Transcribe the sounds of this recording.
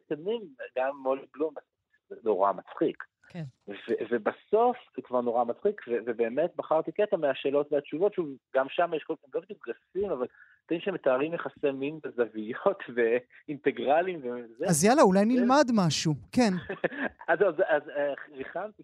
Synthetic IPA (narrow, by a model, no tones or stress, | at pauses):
t̪adnimɡamːoliblumaz | eno̞ʁa̰mat͡sχik | kenvevebaso̞fekvaʁno̞ʁamat͡sχikvevebe̞ːme̞t̚baχaʁt̪iket̪ameaʃe̞ːlo̞tveat͡ʃuvo̞tʃuvɡamʃamajeʃkoemlobed̪uk̚ɡafimaval | t̪aimʃemet̪aːʁimjeχase̞minɡazavijot̪ve | int̪eɡʁalimvezeazjalaulajnilmadmaʃuken | azozazeʁiχamti